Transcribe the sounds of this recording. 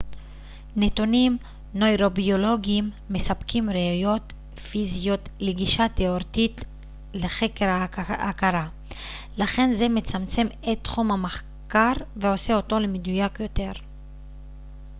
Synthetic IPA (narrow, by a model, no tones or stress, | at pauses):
net̪onim | nojʁo̞bio̞lo̞ɡiimːesapkimʁeajo̞t̪ | fizijo̞t̪leɡiʃat̪eoʁt̪it̪ | leχe̞keɾaakaɾa | laχe̞nze̞met͡samt͡se̞metːχumhamaχ | kaʁveo̞se̞o̞to̞lemed̪ujakjo̞te̞ʁ